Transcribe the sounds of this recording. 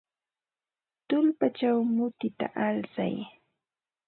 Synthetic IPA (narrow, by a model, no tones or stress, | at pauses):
t̪ʊlpat͡ʃawmʊt̪ɪt̪a̰ʔalsa̰j